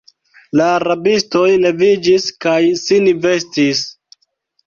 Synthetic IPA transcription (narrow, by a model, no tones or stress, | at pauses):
laɾabisto̞jle̞vid͡ʒiskajsinve̞stis